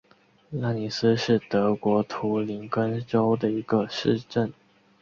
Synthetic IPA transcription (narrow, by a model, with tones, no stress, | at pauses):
la˥˩ni˨˩s̩˦ʂɻ̩˥˩t̪ɤ˧˥kwɔ˧˥t̪ʰu˧˥li˧˥ŋkə˥nʈ͡ʂo˥ʊd̪ə˨i˧˥ɡ̥ə˧ʂɻ̩˥˧ʈ͡ʂə˥˨˩n